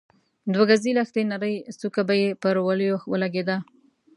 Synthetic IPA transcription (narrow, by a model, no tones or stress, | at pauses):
d̪waɡazilaxt̪enaɾəjsukabajepəɾwaləjoxwəlaɡed̪a